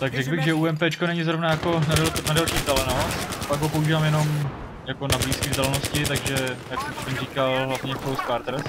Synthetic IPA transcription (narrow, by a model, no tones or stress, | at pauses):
t̪aɡrɛklbɪɣʒɛuːɛmpɛːt͡ʃkonɛɲɪzɾovnajako̞nadlnadalʃiːt̪alɛnospaɡɦopo̞uʒiːvaːmjɛno̞m | jako̞nabliːskizd̪alɛnoscɪt̪aɡʒɛjaksɛmt̪ɛmriːkalɦlavɲɛfɾowskaɾt̪ɾs